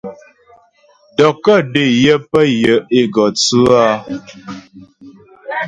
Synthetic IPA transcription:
dɔ˨kə˦˨de˨jə˦pə˦jə˨e˦ɡɔ˨t͡sʉ˦a˦

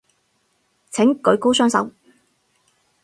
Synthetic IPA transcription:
t͡sʰɪ˨˥ŋkɵ˨˧˥ɥko˥wsœː˥ŋsɐ̰˨˥w

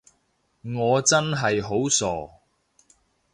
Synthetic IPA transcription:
ŋɔː˨˧t͡sɐ˥nɦɐ˨jɦo˨˥wsɔː˨˩

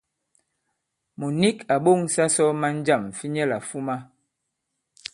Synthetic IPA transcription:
mo˨ni˦ka˨ɓo˦˨ŋsa˦sɔ˦ma˦n˦d͡ʒa˦˨m˨fi˦ɲɛ˦la̰˨fu˦ma˦

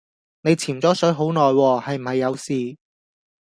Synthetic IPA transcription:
ne˨˧jt͡sʰiː˨˩mt͡sɔː˨˥sɵ˨˥jɦo˨˥wnɔː˨jwɔː˧hɐ˨jm̩˨˩hɐ˨jːɐ˨˧wsiː˨

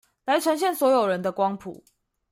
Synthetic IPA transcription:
la˨˦ɪʈ͡ʂʰə˧˦nɕjɛ˥˨nswɔ˧˥jo˨˩ɻə˨˦nd̪ə˧kwɑ˦ŋpʰṵ˨˦

